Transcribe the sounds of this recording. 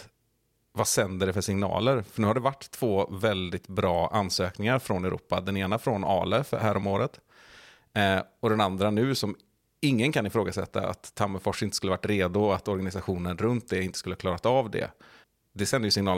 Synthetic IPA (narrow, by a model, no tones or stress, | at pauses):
vasɛnd̪əɖɛfœʂɪŋnɑ̰ːləɾfœɳʉːhaɖɛvaʈːt̪ʰːv̥oːvɛld̪ɪt̪bɾɑːʔansøːknɪŋaɾfɾɔnɛɾṵːpad̪ɛneːnafɾɔnɑ̰ːlɛfhæːɾɔmoːɾət̪ | ɔd̪ɛnand̪ɾanʉ̟ːsɔm | ɪŋːənkʰanɪfɾoːɡasɛ̰t̪ʰːa̰a̰t̪ʰːamːəfɔʂɪnt̪əskɵlːəvaʈːɾeːd̪ʊat̪ɔɾɡanɪsaɧuːnənɾɵnt̪̚d̪ɛɪnt̪ə̥skɵləhaklɑːɾat̪avd̪ɛ̰ | d̪ɛsɛnd̪əjʏsɪŋnɑːl